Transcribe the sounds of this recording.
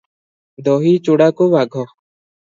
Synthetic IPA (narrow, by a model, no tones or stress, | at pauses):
d̪oːɦiːt͡ʃoːɽaːkoːʋaːɡʱɔː